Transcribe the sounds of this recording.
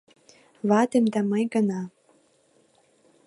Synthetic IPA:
βɑd̪emd̪æməjɡɤ̆nɑ

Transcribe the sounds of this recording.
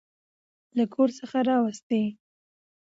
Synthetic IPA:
lakʰoɾsəxaɾɑwəst̪e

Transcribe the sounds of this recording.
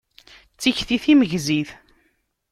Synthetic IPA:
t͡sːiçθiθiməʝziθ

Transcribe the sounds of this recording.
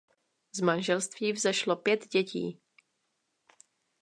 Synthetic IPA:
zmanʒɛlst̪viːvzɛʃlopjɛt̪ɟɛcḭː

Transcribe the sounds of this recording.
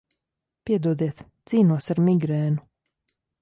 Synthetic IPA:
pʲiɛd̪uɔd̪iɛt̪z̥iːnuɔsaɾmiɡɾɛːnu

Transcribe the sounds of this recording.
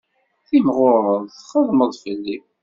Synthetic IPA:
θimʁʊɾˤəðˤθχəðˤməðˤfəlːi

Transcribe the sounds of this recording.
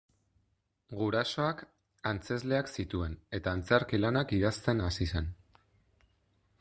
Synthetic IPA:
ɡuɾaso̞ak | ant͡se̞zle̞aksit̪ue̞ne̞t̪aːnt͡saɾkilanakið̞ast̪e̞nasisen

